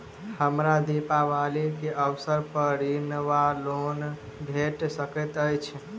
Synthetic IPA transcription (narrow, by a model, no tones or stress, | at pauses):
həmɾad̪ipaʋalikeʔəwsəɾpəɾinʋalon | bʱeʈsəkət̪əjt͡ʃʰ